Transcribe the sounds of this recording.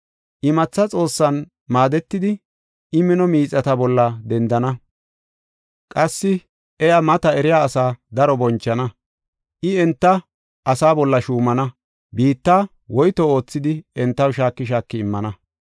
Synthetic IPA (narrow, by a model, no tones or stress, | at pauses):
ʔɪmɐt͡sːɐt͡sʼo̞ːsːɐn | maːd̪ɛt̪ːɪd̪ɪ | ɪmɪnɔmiːt͡sʼːɐt̪ɐbɔlːɐd̪ɛnd̪ɐnɐ | kʼɐsːɪ | ɛjamɐt̪ɐɛɾɪjaːsaːd̪ɐɾɔbɔnt͡ʃːɐnɐ | ʔɪɛnt̪ːɐ | ʔɐsaːbɔlːɐʃuːmɐnɐ | biːt̪ːaː | wɔjt̪ɔo̞ːt͡sːɪd̪ɪɛnt̪ːɐwʃaːkːɪʃ̬aːkːɪɪmːɐnɐ